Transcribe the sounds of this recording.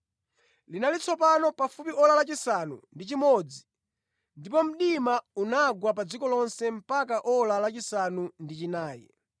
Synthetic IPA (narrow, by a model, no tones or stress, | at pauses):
linalit͡sʰɔpanɔpafupiɔlalat͡ʃisanṵndit͡ʃimɔd͡zi | ndipɔm̩ɗimaunaɡwapad͡zikɔlɔnsɛm̩pak̬aʔɔlalat͡ʃisanundit͡ʃinaːjɛ̰